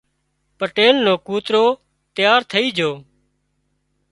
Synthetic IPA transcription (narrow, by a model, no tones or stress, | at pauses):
pəʈeːlnõːkuːt̪ɾoː | t̪jaːɾt̪ʰəiːd͡ʒʱoː